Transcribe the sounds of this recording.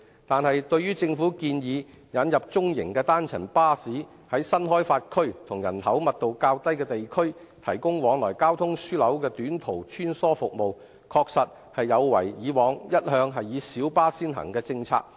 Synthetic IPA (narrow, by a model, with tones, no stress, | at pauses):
t̪aː˨nhɐ˨jt̪ɵ˧ɥɥyː˥t͡sɪ˧ŋfuː˨˥kiː˧njiː˨˧ | jɐ˨˥njɐ˨p̚t͡sʊ˥ŋjɪ̰˨˩ŋkɛː˧t̪aː˥nt͡sʰɐ˨˩npaː˥siː˨˥ | hɐ˨˥jsɐ˥nɦɔː˥jfaː˧t̚kʰɵ˥ɥt̪ʰʊ˨˩ŋjɐ̰˨˩nɦɐ˨˥wmɐ˨t̚t̪o˨wkaː˧wt̪ɐ˥jkɛː˧t̪e˨jkʰɵ˥ɥ | t̪ʰɐ˨˩jkʊ˥ŋwɔː˨˧˥ŋlɔː˨˩jkaː˥wt̪ʰʊ˥ŋsyː˥lɐ˨˥wkɛː˧t̪yː˨˥nt̪ʰo˨˩wt͡ʃʰyː˥nsɔː˥fʊ˨k̚mo˨w | kʰɔː˧k̚sɐ˨t̚ | hɐ˨jːɐ˨˧wwɐ̰˨˩jjiː˨˧wɔː˨˧ŋjɐ˥t̚hœː˨˧ŋɦɐ˨jːiː˨˧siː˨˥wpaː˥siː˥nɦɐ̰˨˩ŋkɛː˧t͡sɪ˧ŋt͡sʰa̰ː˧k̚